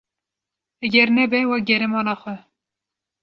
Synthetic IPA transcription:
ɛɡʲɛɾnɛbɛwɑːɡɛɾɛmɑːnɑːxʷɛ

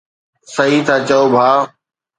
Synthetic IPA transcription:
səɦiːt̪ʰaːt͡ɕəoːbʱaː

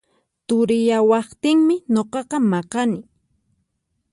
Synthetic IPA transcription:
t̪ʊɾɪjawɑχt̪ɪŋmɪɲoqɑqɑmɑqɑnɪ

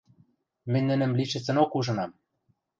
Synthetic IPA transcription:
mɘ̆nʲnːɘ̆nɘ̆mliʃɘ̆t͡sɘ̆nokuʒɤ̆nɑm

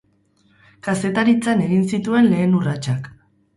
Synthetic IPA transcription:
kase̞t̪aɾit͡sane̞ɣinsit̪ue̞nle̞ːnurat͡ʃak

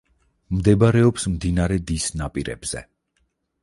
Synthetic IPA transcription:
md̪ɛbaɾɛɔpsmd̪inaɾɛd̪isnapʼiɾɛ̰bz̥ɛ̰

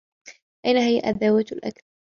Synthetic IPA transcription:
ʔajnaɦɪjaʔaðːawat̪lʔa̰kθɾ

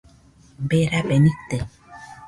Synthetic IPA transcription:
beɾabenĩt̪e

